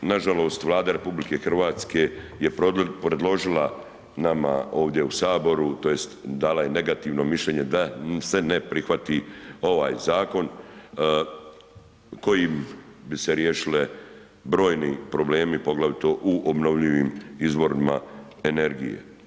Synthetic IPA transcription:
naʒalo̞ːst̪ʋlˠaːd̪aɾe̞publike̞xr̩ʋaːt̪ske̞ | je̞ppɾe̞d̪lo̞ʒila | nama̰o̞ːʋd̪ʲje̞usaːbo̞ɾut̪o̞jest̪d̪aːlaje̞ne̞ɡat̪iːʋno̞miʃlʎe̞ːɲe̞d̪ase̞ne̞pɾixʋat̪io̞ʋa̰ːjzaːko̞n | ko̞jimbiseɾjeːʃile | bɾo̞ːjnipɾo̞ble̞ːmipo̞ɡlaʋit̪oʔuʔobno̞ʋʎiʋiːmizbo̞ɾima̰ | e̞ne̞ɾɡḭjḛ

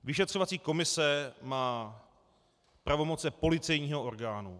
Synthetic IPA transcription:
vɪʃɛt̪r̝̥ovat͡siːko̞mɪsɛmaː | pɾavo̞mot͡sɛpo̞lɪt͡sɛjɲiːɦoʔoɾɡaːnu

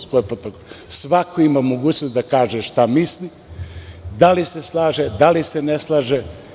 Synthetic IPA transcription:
skojpɾot̪okosʋakoimamoɡuːt͡ɕnosd̪akaːʒeʃt̪amisli | d̪aliseslˠaːʒed̪aliseneslˠaʒe

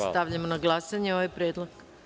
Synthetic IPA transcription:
st̪aʋʎamonaɡlˠasaɲeo̞ʋajpɾeːd̪lˠak

